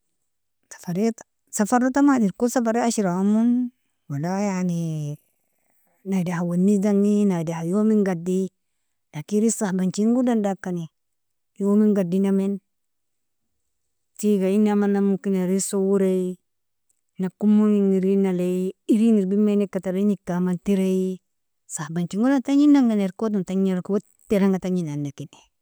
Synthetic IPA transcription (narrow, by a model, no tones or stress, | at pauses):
sḁfaɾet | safaɾotamadiɾkosafaɾeaʃiɾaamun | walajani | nadahawanːidaŋinadahajomiŋɡadi | lakiɾisahbant͡ʃiŋɡudandakːani | jomiŋɡadinamen | tiɡainamanːamukinaɾisowuɾei | nakumuŋiŋiɾinaleiiɾiniɾbimenikataɾinikːamantiɾei | sabant͡ʃiŋɡudantaɲinaŋɡaneɾkot̬untaɲiɾkiwo | tːeɾaŋɡataɲinanːakine̥